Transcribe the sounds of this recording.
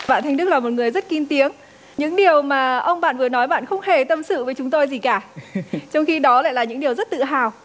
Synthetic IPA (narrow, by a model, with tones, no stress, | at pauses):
a̰˧˨nʰ˧jŋɗɨ˦˥k̚laː˨˩mo˨˩ŋɨ˨˩əjzə˦˥t̚ki˧nt̪i˨˦əŋ | ɲɨ̰˧˥ŋɗi˨˩əwmaː˨˩ʔə˧wŋ͡mɓa̰ː˧˨nvɨ˨˩ənɔ˨˦jɓa̰ː˧˨nxə˧wŋ͡mhe˨˩t̪ə˧msɨ̰˧˨vəː˨˦jt͡ɕʊ˨˦ŋ͡mt̪o˧jzi˨˩kaː˧˩t͡ɕɔ˧wŋ͡mxi˧ɗɔ˨˦la̰ː˧˨laː˨˩ɲɨ̰˧˥ŋɗi˨˩əwzə˦˥t̚t̪ɨ̰˧˨ɦaː˨˩w